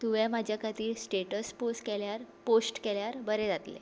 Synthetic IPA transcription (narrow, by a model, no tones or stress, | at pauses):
t̪uʋɛ̃mad͡ʑʱjakʰat̪iːlsʈeʈəsposʈkeljaɾposʈkeljaɾbəɾẽd͡zat̪lḛ